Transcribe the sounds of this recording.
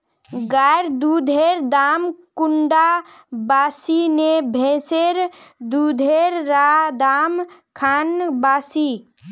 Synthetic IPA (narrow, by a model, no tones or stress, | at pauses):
ɡaɾd̪ud̪ʱeɾd̪amkuɳɖa | baːsinebʱẽseɾd̪ud̪ʱeɾɾad̪amkʰanbaːsi